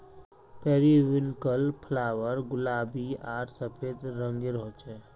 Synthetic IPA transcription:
pɛːɾiʋɪnkəlpʰlaːʋəɾɡʊlaːbiaːɾsəpʰeːd̪ɾə̃ŋɡeɾɔ̃ːt͡ʃɛ

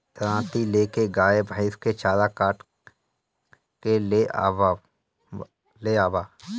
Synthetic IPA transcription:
t̪ɾãːt̪ileːkeɡaːebʱaɪsket͡ʃaːlakaːʈ | keleʔa | leaːʋaː

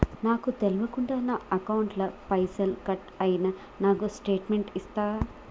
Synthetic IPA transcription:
naːkut̪eluʋɐkuɳɖaːnaːɐkɐwuɳʈlɐpɐjsɐlkɐʈ | ɐjinɐ | naːkusʈe̞ːʈmeɳʈist̪aː

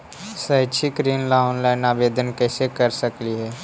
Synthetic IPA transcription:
səɪt͡ʃʰikɾiːnlaʊːnlaːɪnaːʋeːd̪ʱənkɛːsekəɾsəkliɦɛː

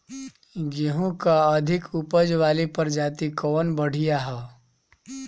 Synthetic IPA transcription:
ɡeɦũkaɐd̪ʱɪkupəd͡ʒʋaːlipɐɾd͡ʒaːt̪ikɔːnbəɽ̤ijaɦɛː

